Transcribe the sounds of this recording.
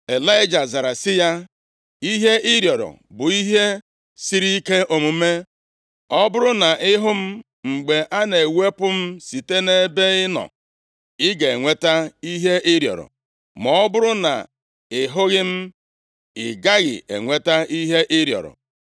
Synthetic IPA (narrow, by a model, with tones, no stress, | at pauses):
e˨la˦ɪ˦d͡ʒa˨za˨ɾa˨sɪ˦ja˦ | i˦ɦe˦ɪ˦ɾjɔ˨ɾɔ̰˨ | bʊ˨i˦ɦe˦ | si˦ɾi˦ke˦ʔo˨mu˨me˦ | ɔ˦bʊ˦ɾʊ˦na˨ʔɪ˦ɦʊ˦m̩˦ | ŋ͡m̩˨ɡ͡be˨ʔa˦ne˨we˦pʊ˦m̩˦si˨te˦ne˦be˦ɪ˦nɔ̰˨ | ɪ˦ɡe˨e˨ŋʷe˦ta˦i˦ɦe˦ʔɪ˦ɾjɔ̰˨ɾɔ̰˨ | mɔ˦bʊ˦ɾʊ˦na̰˨ | ɪ˨ɦʊ˦ɣɪ˦m̩˦ | ɪ˨ɡa˦ɣɪ̰˨ḛ˨ŋʷe˦ta˦i˦ɦe˦ʔɪ˦ɾjɔ̰˨ɾɔ̰˨